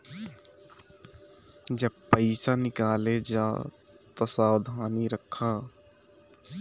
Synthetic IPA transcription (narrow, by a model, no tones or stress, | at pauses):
d͡ʒɐb̚pəɪsanɪkaːled͡ʒaːt̪ɐsaːwd̪ʱaːniɾəkʰːaː